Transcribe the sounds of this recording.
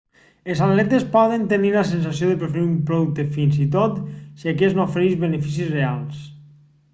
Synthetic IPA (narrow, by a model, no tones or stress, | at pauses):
ezallɛt̪espɔðənt̪eniləsens̬asioðepɾefeɾiumpɾoðuk̚t̪efinzit̪ot̪siakeznofeɾeʒβenefis̬izrealˠs